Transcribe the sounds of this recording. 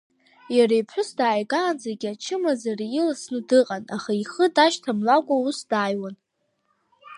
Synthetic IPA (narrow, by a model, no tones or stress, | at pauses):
jaɾajpʰħʷʊsdaːjɡaːnzaɡʲat͡ʃʰɨmazarɪlasnɨdɨqʼanaχaiχədaʃtʰamlakʷʼausdaːjwan